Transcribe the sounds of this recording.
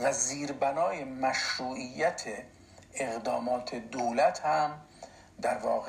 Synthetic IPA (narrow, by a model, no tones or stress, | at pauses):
væziːɾbænɒːjemæʃɾuːʔijːæt̪ʰe | eɣd̪ɒːmɒːt̪ʰed̪owlæt̪ʰhæm | d̪æɾvɒːɣe